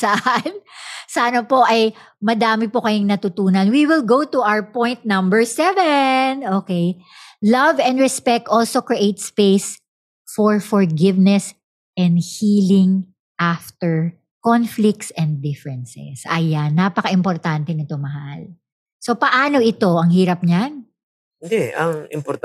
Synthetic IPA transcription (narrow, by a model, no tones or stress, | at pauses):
sɐʔansɐʔɐnopo̞ʔɐj | mɐd̪aːmɪpokɐjɪŋnɐt̪ʊt̪uːnɐnwiwɪlɡowt̪uʔawɹpɔ̃jnt̪̚nɐmbɛɹsɛvɛnoːkej | lɐvɛ̃nd̪ɹɛspɛk̚t̪ʔolsokɹiʔejt̪spejs | fɔɹfɔɹɡɪvnɛs | ʔɛ̃nd̪hiːlɪŋ | ʔaft̪ɛɹ | kɔnflɪk̚t̪sɛ̃n̚d̪ɪfɹɛnsɛ̰sʔɐ̰janːapɐkɐʔɪmpoɾt̪ant̪ɛnɪt̪omɐhal | so̞pɐʔaːno̞ʔɪt̪o̞ɐŋhiːɾɐp̚ɲan | nd̪ɛɐŋɪ̰mpɔɾt̪